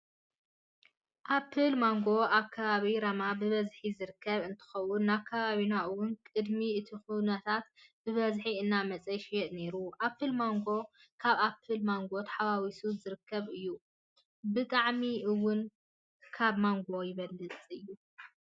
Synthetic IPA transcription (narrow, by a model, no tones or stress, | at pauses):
ʔapʰːɨlmaŋɡo̞aβkʰːɐβaβiɾɐmabɨβɐzħizɨɾɨkʰːɐβɨnt̪ʰɨ̥xɐwʊnːakʰːɐβaβinaʔɨwʊnkʼɨd̪miɨt̪ʰixunɐt̪ʰat̪b̥ɨβɐzħiɨnːamɐt͡sʼɐʃiʔne̞ɾuʔapːɨlmoŋɡo̞ | kʰaβapʰːɨlmaŋɡo̞t̪ħaβawisuzɨɾɨkʰːɐβɨjːu | bɨt̪ʼaʕmiʔɨwʊn | kʰaβmaŋɡo̞jɪβɐlːɨt͡sʼɨjːu